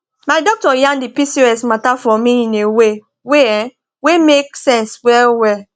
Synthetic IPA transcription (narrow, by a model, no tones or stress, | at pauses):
maɪdɔk̚tɔjãndipisioɛsmatafɔmĩĩnewe | weɛ̃ | wemek̚sɛ̃nswɛlwɛl